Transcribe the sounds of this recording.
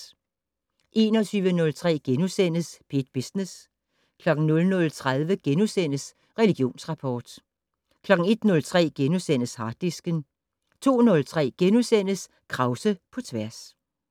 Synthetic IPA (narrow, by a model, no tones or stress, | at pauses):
ʔe̝ːnɒt͡sʰyːʋənɔ̽lt͡sʰʁɛ̰ːɡ̥enusen̰əsb̥id̥̚b̥isnes | kʰlɒ̽ɡ̥̩nɔ̽lnɔ̽lt͡sʰʁaðˠʋəɡ̥enusen̰əs | ʁɛliɡ̥jo̝̰ːnsʁɑ̈pʰɒːd̥ | kʰlɒ̽ɡ̥n̩e̝d̥nɔ̽lt͡sʰʁɛ̰ːɡ̥enusen̰əshɑ̈ːd̥isɡ̥ən | t͡sʰo̝̰ːnɔ̽lt͡sʰʁɛ̰ːɡ̥enusen̰əs | kʰʁɑ̈ʊsəpʰɒ̽t͡sʰʋæɐs